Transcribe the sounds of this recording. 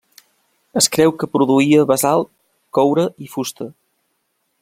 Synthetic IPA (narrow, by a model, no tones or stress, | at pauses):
əskɾɛwkəpɾuðuiəβəzalˠ | kɔwɾəifust̪ə